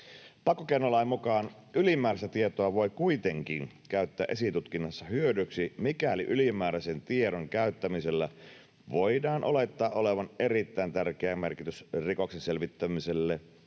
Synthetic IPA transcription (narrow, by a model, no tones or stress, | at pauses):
pɑkːokeinːolːɑimːukɑːn | ylimæːɾæst̪æt̪iet̪oɑʋo̞jkuit̪eŋkin | kæyt̪ːææ̰ːʔesit̪ut̪kinːɑsːɑhyødyksimikæliʔylimˑæːɾæsent̪ieɾoŋkæyt̪ːæmiselːæ | ʋoidɑːnʔolet̪ːɑːʔʔoleʋɑnerit̪ːæint̪ærk̟eæmerkit̪ysrikoksenselʋit̪ːæmiselːe